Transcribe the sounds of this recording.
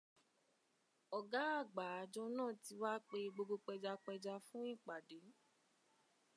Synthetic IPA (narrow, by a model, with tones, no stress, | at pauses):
ɔ˨ɡa˨˦a˦˨ɡ͡ba˨˦˨d͡ʒɔ˧nãː˦˨ti˧wa˦k͡pe˧ɡ͡bo˧ɡo˧k͡pɛ˧d͡ʒa˧k͡pɛ˧d͡ʒa˧fũ˦i˦˨k͡pa˨de˨˦